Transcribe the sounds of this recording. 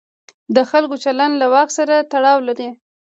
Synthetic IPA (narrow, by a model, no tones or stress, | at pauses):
d̪əxalkot͡ʃaland̪lawɑxsaɾat̪aɽɑwlaɾi